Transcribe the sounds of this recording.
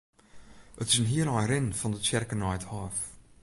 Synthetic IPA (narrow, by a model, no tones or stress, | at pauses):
ətɪzənɦiəlɑjɾɪnfɔndət͡ʃɛrkənɑjthɑːf